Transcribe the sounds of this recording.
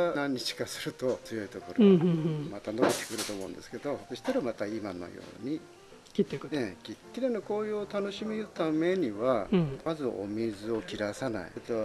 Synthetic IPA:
nãɲ̟ːit͡ɕi̥kasɨɾɯ̟t̪o̞t͡sɨjo̞it̪o̞ko̞ɾomat̪ano̞kot̪ːe̥kɯ̟ɾɯ̟t̪o̞ːmo̞ɯ̰̃nd̪e̞sɨ̥ke̞d̪o̞soɕi̥t̪aɾamat̪aimano̞̰jo̰ːɲ̟i | ẽkʲikʲːiɾenokoːjɯot̪ano̞ɕimiɯ̟t̪ame̞ɲ̟iβamazɨʔo̞̰mʲizɨo̞kʲiɾasana̰ḭt̪o

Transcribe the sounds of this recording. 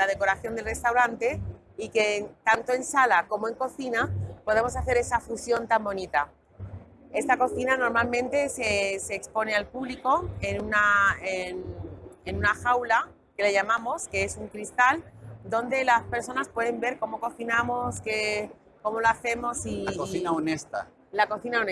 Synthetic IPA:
laðe̞ko̞ɾaθjo̞nd̪elre̞st̪awɾant̪e̞ | ike̞t̪ant̪o̞e̞nsalako̞moe̞ŋko̞θinapo̞ð̞e̞mo̞saθe̞ɾe̞safusjo̞nt̪ambo̞nit̪a | e̞st̪ako̞θinano̞ɾmalmẽnt̪e̞se̞se̞ːkspo̞ne̞alpuβliko̞enunaenenũnaxawla | ke̞leʝamãmo̞ske̞esuŋkɾist̪ald̪o̞nd̪e̞laspe̞ɾso̞naspwe̞ðe̞mbe̞ɾko̞mo̞ko̞θinamo̞ske | ko̞mo̞loaθe̞mo̞sioθinaonest̪a̰ | lako̞θinaone

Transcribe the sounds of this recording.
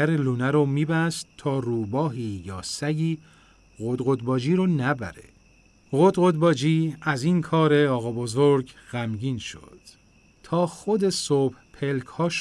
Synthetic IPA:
æɾeluːnæɾomiːbæst̪t̪ʰɒːruːbɒːɦiːjɒ̰ːsæɟiː | ɣod̪ɣod̪̚bɒːd͡ʒiːɾonæbæ̰ɾḛ | ɣod̪ɣod̪bɒːd͡ʒiːæziːnkʰɒːɾe̞ɒːɣɒbo̞zoɾɡɣ̥æmɟiːnʃo̰d̪̥ | t̪ʰɒːxod̪e̞sob̥hpʰe̞lkʰhɒːʃ

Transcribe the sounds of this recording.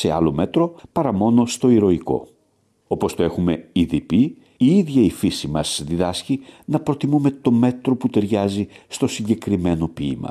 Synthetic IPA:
se̞ɐlo̞me̞t̪ɾo̞pɐɾɐmo̞no̞st̪o̞iɾo̞iko̞̰ | o̞po̞st̪o̞e̞xume̞iðipi | iiðʝɐifisimɐsðiðɐscinɐpɾo̞t̪imume̞t̪o̞me̞t̪ɾo̞put̪e̞ɾʝɐzist̪o̞siɲɟe̞kɾime̞no̞piːmɐ̰

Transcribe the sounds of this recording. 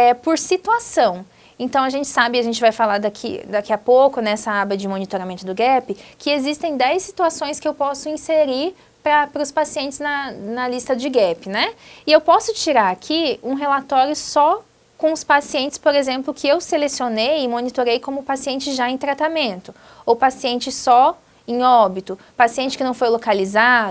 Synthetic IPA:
ɛpoɾsit̪uasɐ̃w̃ | ẽnt̪ɐ̃w̃ɐʒẽnt͡ʃɪ̥sabɪaʒẽnt͡ʃɪvajfalad̪akʰḭd̪akiɐpokʊnɛsɐabɐd͡ʒɪmõnit̪oɾamẽnt̪ʊd̪ʊɡɛpɪkɪezist̪ẽj̃d̪ɛjsːit̪uasõj̃skɪewpɔsʊĩseɾiɾ | pɾɐpɾʊspasiẽnt͡ʃɪznɐnɐlist̪ɐd͡ʒɪɡɛpɪnɛɪewpɔsʊt͡ʃiɾaɾakʰiũɦelat̪ɔɾjʊsɔ | kõʊspasiẽnt͡ʃɪ̥spoɾezẽmplʊkʰɪewselesionejɪmõnit̪oɾejkõmʊpasiẽnt͡ʃɪʒaẽj̃t̪ɾat̪amẽnt̪ʊ | owpasiẽnt͡ʃɪsɔ | ẽj̃ɔbit̪ʊ | pasiẽnt͡ʃɪkɪnɐ̃w̃fojlokalizad̪ʊ

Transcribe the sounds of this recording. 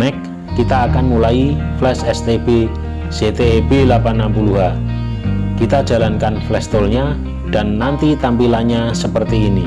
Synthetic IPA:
nɛkː | it̪aːkanmulaiflɛsɛst̪eb̥e | z̥et̪ebelapanːampuluɦa | kit̪ad̥d͡ʒ̥a̤lankanflɛst̪olɲa | d̥a̤nːant̪it̪ampilaɲasəpərt̪iːni

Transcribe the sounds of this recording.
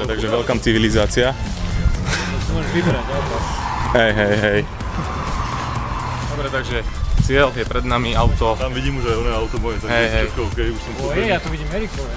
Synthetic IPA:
t̪aɡʒɛʋɛlkamt͡siʋilizaːt͡siɪa | ɔsɔmɔʒʋibɾaɟat̪ɔ | ɦɛjɦɛjɦɛj | d̪ɔbɾɛt̪aɡʒɛt͡sɪɛljɛpɾɛd̪namiaʊt̪ɔt̪amʋiɟiːmuʒajɔnɛaʊt̪ɔmɔɛt̪aɦɛjɦɛkɛɔkɛjuʃsɔmpɔjat̪ɔʋiɟiːmɛɾikɔ

